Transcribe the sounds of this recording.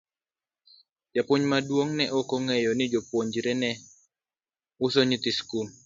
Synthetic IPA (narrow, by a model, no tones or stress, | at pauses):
d͡ʒapʊɲmadwoŋnɛʔokoŋɛjɔnɪd͡ʒopwoɲd͡ʒɾɛnɛ | ʊsoɲit̪iskum